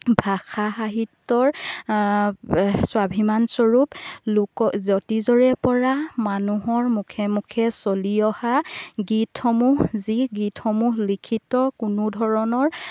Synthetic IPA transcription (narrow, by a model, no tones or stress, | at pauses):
bʱaxʰaɦaɦitːɔɹ | swabʱimansɔɹuplʊkɔzɔtizɔɹɛpɔɹamanuɦɔɹmukʰemukʰɛsoliɔhaɡitʰxɔmuɦziɡitʰxɔmulikʰitɔkunʊdʱɔɹɔnɔɹ